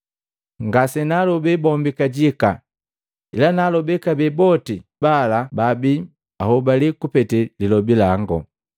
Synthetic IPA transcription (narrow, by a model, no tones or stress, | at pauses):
ŋɡasɛnalɔbɛbɔmbikaɟika̰ | ḭlanalɔbɛkabɛbɔtibalababi | ahɔbalikupɛtɛlilɔbilaŋɡɔ